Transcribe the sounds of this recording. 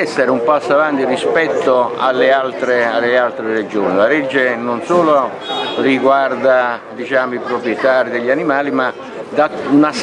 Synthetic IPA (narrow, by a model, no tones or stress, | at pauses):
ɛsːɛɾumpasːoavant̪irispɛt̪ːoa̰lːealt̪ɾealːealt̪ɾered͡ʒoːnilaɾɛd͡ʒːenonsoːlo | riɡward̪ad̪it͡ʃaːmoipɾopɾjɛt̪aːɾid̪eʎːanimaːlima | d̪aunas